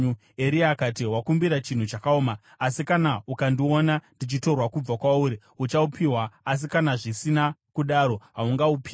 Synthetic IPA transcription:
e̞ɾiaːkatiɦwakumbiɾat͡ʃin̤ut͡ʃakaoːmaː | sikanaukandionandit͡ʃito̞rwakub͡vakwauɾi | ut͡ʃaupʰiwaːs̬ikanaʐisinakuɗaːɾo̞ɦauŋɡaupi

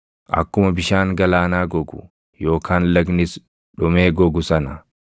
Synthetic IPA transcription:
ʔɐ̰kːʊmɐbɪʃaːŋɡɐlaːnaːɡɔɡʊ̰ | jo̞ːkʰaːnlɐɡnɪs | ᶑʊmeːɡɔɡʊsɐnɐ

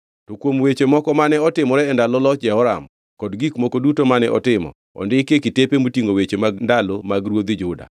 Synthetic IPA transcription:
tokwomwet͡ʃemɔkɔmanɛɔtɪmɔɾɛːndalɔlɔt͡ʃd͡ʒɛɔɾam | kɔdɡikmɔkodutomanɛʔɔ̰tɪmɔ̰ | ɔ̰ndɪkekɪtepemotiŋɡowet͡ʃemaɡndalomaɡɾwod̪ɪd͡ʒʊda̰

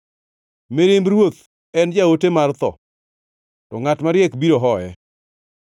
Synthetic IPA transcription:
meɾɪmbɾwot̪ | ɛnd͡ʒaotemart̪ɔ̰ | tɔŋatmaɾjɛkbiɾoɦɔɛ

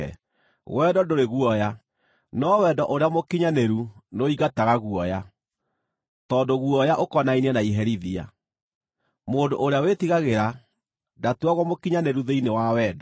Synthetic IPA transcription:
ɣwɛdɔdoɾeɣuɔja | nɔwɛdɔʔoɾeamokiɲaneɾunoiɣataɣaɣuɔja | tɔːndoɣuɔjaʔokɔnainiɛnaiɦɛɾiðia̰ | modoʔːɾeawetiɣaɣeɾa | datuaɣwɔmokiɲaneɾuðeinewawɛːdɔ

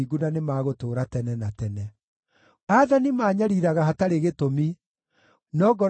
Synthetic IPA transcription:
iɡunanemaːɣotoːɾatɛnɛnatɛnɛ | aðanimaːɲaɾiɾaɣahataɾeɣetomi | nɔːɡɔ

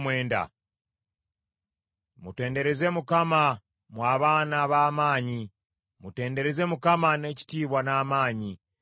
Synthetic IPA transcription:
mwe̞ːnda̰ | mute̞ːnde̞ɾe̞ze̞mukama | mwaːβaːnaβaːmaːɲi | mute̞ːnde̞ɾe̞ze̞mukamane̞ci̥tiːβwanaːmaːɲi

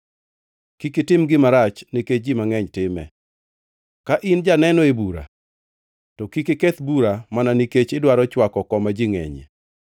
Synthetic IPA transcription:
kikɪtɪmɡɪmaɾat͡ʃniket͡ʃd͡ʒimaŋɛɲtɪmɛ̰ | kaʔɪnd͡ʒanɛnɔebuɾa̰ | tɔkikekɛt̪buɾamananiket͡ʃɪdwaɾɔt͡ʃwakɔkɔmad͡ʒiŋɛ̰ɲḛ

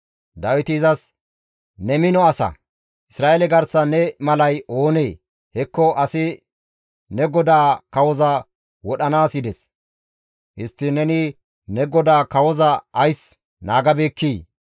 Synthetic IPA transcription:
d̪ɐwɪt̪ɪːzɐs | nɛmɪnɔɐsɐ̰ | ʔɪsɾaːʔelɛɡɐɾsɐnɛmɐlɐjo̞ːneː | hɛkːɔʔɐsɪ | nɛɡɔd̪aːkɐwɔzɐ | wɔɗɐnaːsɪd̪ɛs | hɪst̪ːɪnɛnɪ | nɛɡɔd̪aːkɐwɔzɐʔɐjs | naːɡɐbeːkːiː

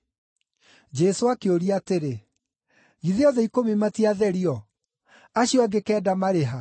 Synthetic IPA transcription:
d͡ʑɛsoakeoɾiateɾe | ɣiðeɔðɛikomematiaðɛɾiɔ | aɕjɔaɡekɛːdamaɾeɦa

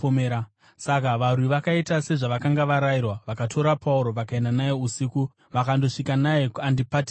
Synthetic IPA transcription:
oeɾa | sakaʋarwiʋakaitase̞ʐaʋakaŋɡaʋaɾajirwaʋakatʰo̞ɾapʰauɾo̞ʋakae̞ndanajeusiku | ʋakando̞ʂikanajekuandipati

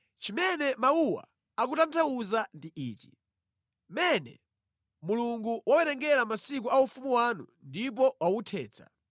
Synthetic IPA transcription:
t͡ʃimɛnɛmauwa̰ | ak̬utantʰauzandiʔḭːt͡ʃi | mɛnɛ̰ | muluŋɡuwawɛɾɛŋɡɛɾamasik̬uaufumuwanṵndip̬ɔwawutʰɛ̰ːt͡sʰa̰

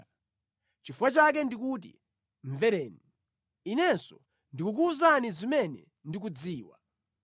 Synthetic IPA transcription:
t͡ʃifuwat͡ʃak̬ɛndikuːt̬ḭ | ɱvɛɾɛːni | inɛnsɔ | ndikuk̬uuzanizimɛnɛ̰ | ndik̬ud͡ziːwa̰

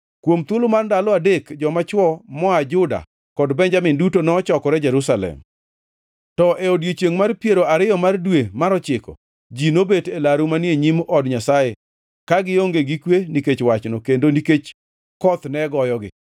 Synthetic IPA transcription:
kwomt̪wolomarndalɔadekd͡ʒɔmat͡ʃwɔmɔad͡ʒʊda̰ | kɔdbɛɲd͡ʒamɪndutonɔt͡ʃɔkɔɾɛd͡ʒɛɾusalɛ̰m | tɔʔeodjet͡ʃeŋmarpieɾoaɾɪjɔmardwemaɾɔt͡ʃɪkɔ̰ | d͡ʒinobetelaɾumanjeɲimʔɔdɲasaje | kaɡɪoŋɡeɡikweniket͡ʃwat͡ʃnokendoniket͡ʃ | kɔt̪nɛɡɔjɔɡɪ̰

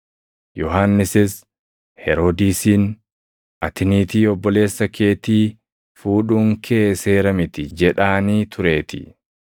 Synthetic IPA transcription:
jɔɦanːɪsɪs | hɛɾod̪iːsiːn | ʔɐt̪ɪniːt̪iːɔbːɔle̞ːsːɐkʰe̞ːt̪iː | fuːᶑuːŋkʰe̞ːse̞ːɾɐmɪt̪ɪd͡ʒɛᶑaːniːt̪ʰʊɾe̞ːt̪ɪ̰

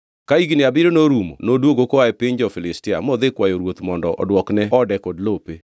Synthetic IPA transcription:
kaiɡinɪabiɾonoɾumo̰nodwoɡokoaɛpɪɲd͡ʒɔfɪlɪstɪa̰mɔd̪ekwajoɾwot̪mɔndɔʔɔ̰dwɔknɛɔdɛkodlope

